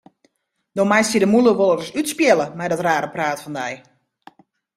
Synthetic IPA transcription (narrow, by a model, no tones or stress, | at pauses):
dɔmajstjədəmulˠəʋolˠərəsytspjɛlˠəmɛjdɔtraːɾəpraːtfɔndɛj